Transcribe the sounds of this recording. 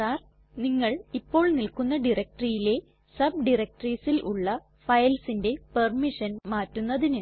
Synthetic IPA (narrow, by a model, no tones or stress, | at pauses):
aːr | niŋːɐɭipːo̞ːɭnilkunːɐɖirɐk̚ʈrijile̞ | sɐb̚ɖirɐk̚ʈriːsilʔṵɭːɐ | fɐjlsinde̞pɐrmiʂɐnmaːtːunːɐðinɨ